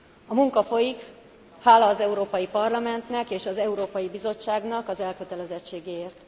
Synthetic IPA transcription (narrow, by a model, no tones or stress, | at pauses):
ɒmuŋkɒfo̞jik | haːlɒːzɛuɾoːpɒjipɒrlɒmɛnt̪nɛkeːʃɒzɛuɾoːpɒjibizo̞t͡ʃːaːɡnɒkɒzɛlkø̞t̪ɛlɛzɛt͡ʃːeːɡeːeːrt̪